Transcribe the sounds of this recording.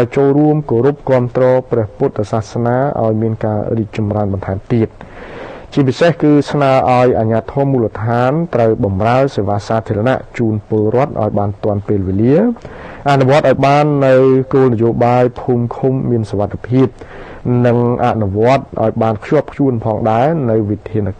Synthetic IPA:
aɔjt͡ɕoːlruəmkoːɾup̚kŏəmt̪rɔːprɛ̆əhput̪̚saːhsnaːʔa̰ɔjmiənkaːriːk̚t͡ɕɑmraənɓɑnt̪ʰaɛmt̪iət̪̚ | t͡ɕiəp̬isehkɨːsnaəʔaɔjʔaːɲaːt̪ʰɔːmuːlət̪ʰaːnt̪rəwɓɑmraəseːʋaːsaːt̪ʰiəɾana̰ʔt͡ɕuːnpʊlrŏət̪̚ʔa̰ɔjɓaːnt̪ŏənpeːlʋeːliəʔaʔnuʋŏət̪̚ʔaɔjɓaːnːɨwkoːlnɨjoːɓaːjpʰuːmkʰumːiənsoʋat̪ʰːepʰiəp̚ | nɨŋʔa̰ʔnuʋŏət̪̚ʔa̰ɔjɓaːnkʰjoəp̚kʰjuənpʰɑːŋɗaɛnɨwʋit̪ʰiən

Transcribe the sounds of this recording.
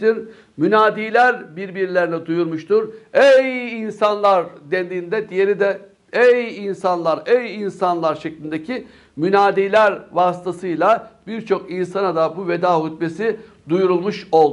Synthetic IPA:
iɾ | mynaːd̪iːlʲæɾbiɾbiɾilʲeɾinɛd̪ujuɾmuʃt̪uɾejinsanlˠaɾd̪ɛnd̪iːnd̪ɛd̪ije̞ɾid̪ɛ | ejinsanlˠaɾejinsanlˠaɾʃeclʲind̪ecʰi | mynaːd̪iːlʲæɾvast̪ʰasɯjlˠabiɾt͡ʃʰo̞kinsanad̪abuved̪aːɦud̪besi | d̪ujuɾulˠmuʃo̞lˠd̪

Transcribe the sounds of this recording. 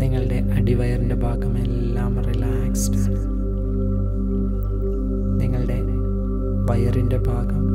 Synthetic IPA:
niŋːɐɭɨɽe̞ʔɐɽiʋɐjɐrinde̞bʱaːɡɐmelːaːmrila | kstaːɽɨ | niŋːɐɭɨɽe̞ | ʋɐjɐrinde̞bʱaːɡɐm

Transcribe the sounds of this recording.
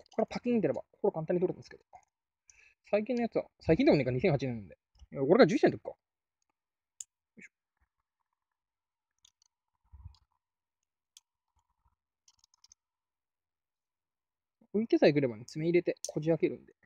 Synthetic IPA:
koko̥kaɾapʰakʲːiɲːit̪eɾeba̰hoɾokãnt̪ãɲːit̪oɾt̪ãnesɨ̥ked̪o | saik̬ʲĩnːojat͡sɨβa̰saikʲĩd̪emeikːaɲisẽhat͡ɕinenond̪e | aoɾeɡad͡ʑɨːisend̪okːa | ɯ̟it̪esaik̬ɯ̟ɾe̞baɲʲit͡sɨmeiɾe̞t̪e̞kʰo̞d͡ʑiake̞ɾɯ̟̃nd̪e

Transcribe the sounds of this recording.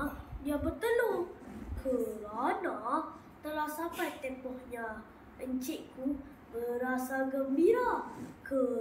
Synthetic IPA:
jabərt̪əlokʰəɾana | t̪əlahsapajt̪ɛmpɔhɲa | əɲt͡ʃɪʔku | bəɾasaɡəmbiɾakə

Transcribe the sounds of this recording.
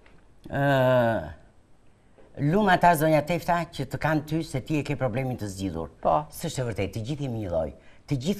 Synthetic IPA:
ə | lumat̪azɔɲat̪ɛft̪acət̪əkant̪ysɛt̪iɛkɛpɾɔblɛmint̪əzd͡ʑiðṵɾpsəʃt̪ɛvəɾt̪ɛt̪̚ːəd͡ʑiθɛməɲəðɔ̰jt̪əd͡ʑiθ

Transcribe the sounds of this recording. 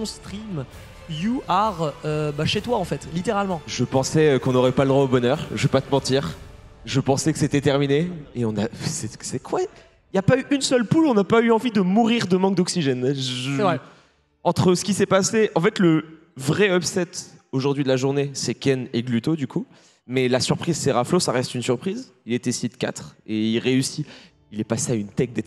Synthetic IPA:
ɔ̃st̪χim | juaʁøbaʃet̪waɑ̃fɛt̪lit̪eʁalmɑ̃ʒəpɑ̃sɛkɔ̃nɔʁɛpaləd̪ʁwaobɔnœʁʒəvepat̪əmɑ̃t̪iːʁ | ʒəpɑ̃sɛkə̥set̪ɛt̪ɛʁmineeɔ̃nasɛsɛkʰwa | iljapayʔynsœlpulɔ̃napayɑ̃vid̪əmuʁiʁd̪əmɑ̃k̚d̪ɔksiʒɛnʒʒvʁɛ | ɑ̃t̪χəsə̥kʲisɛpaseɑ̃fɛt̪lə | vʁɛɔbsɛt̪oʒuʁd̪ɥid̪əlaʒuʁnesɛkʲɛneɡlyt̪od̪ykʰu | mɛlasyʁpχizsɛʁaflosaʁɛst̪ynsyʁpχiz | ilet̪ɛsit̪kʲa̰t̪χeilʁeysi | ilɛpaseaynt̪ɛk̚d̪ɛ

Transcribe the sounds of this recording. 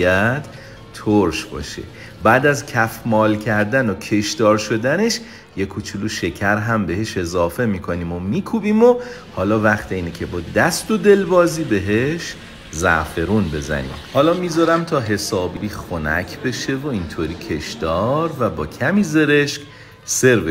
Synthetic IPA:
æd̪̥ | t̪ʰoɾʃbɒ̰ːʃḛ | bæːd̪æzcʰæfmɒːlcʰæɾd̪ænocʰe̞ʃd̪ɒːɾʃo̞d̪æne̞ʃ | jekʰut͡ʃʰuluʃe̞cʰæɾɦæmbe̞ɦe̞ʃe̞zɒːfe̞miːkʰo̞niːmomiːkʰubiːmo | hɒːlɒːvæχt̪ʰeiːnecʲʰe̞bɒːd̪æsd̪od̪e̞lbɒːziːbe̞ɦeʃ | zæ̰fe̞ɾuːnbe̞zæ̰nḭːmhɒːlɒːmiːzɒɾæmt̪ʰɒːɦe̞sɒːbiɾiːxonæ̰cʰbe̞ʃe̞voint̪ʰoːɾiːcʰe̞ʃd̪ɒːɾvæbɒːcʰæmiːze̞ɾeʃk | se̞ɾbe

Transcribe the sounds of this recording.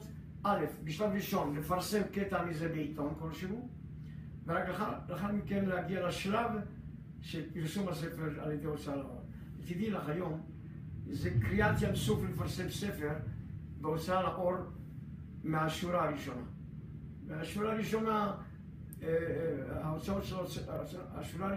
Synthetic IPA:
ʔalefbiʃlavɾiʃo̞nlefaʁse̞mketamizebeit̪o̞nko̞lʃeɦu | veʁakaχaaχaɾmikenleaɡialaʃlav | ʃepiɾsumhas̬efeʁa̰ljed̪ejot͡saala̰ʔo̞̰l | etid̪ilaχajo̞m | zekʁiat͡sjansuflelefaʁse̞msefeʁ | beot͡saalaʔo̞l | meaʃuɾaaʁiʃo̞na | veaʃuɾaaʁiʃo̞na | aot͡sao̞t̪ʃeloa̰ʃuɾa

